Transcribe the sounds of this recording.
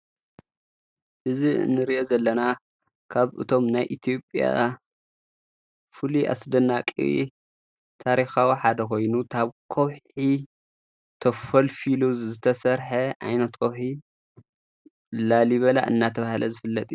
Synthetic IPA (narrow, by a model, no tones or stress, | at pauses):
ʔɨziɨ̰nːɨɾiʔozɐlːɐna | kʰaβɨ̰t̪ʰo̞mnajʔit̪ʰijo̞pʼja̰ | fuliʔa̰sd̪ɐnakʼḭ | t̪ʰaɾixawiħad̪ɐkʰo̞jnutʰaβkʰowħi | t̪ʰɐfɐlfiluzɨt̪ʰɐsɐɾħɐʕa̰jnɐt̪kʰowħi | laliβɐla̰ʔɨ̰nːat̪ʰɐβahlɐzɨfɨlːɐt̪ʼij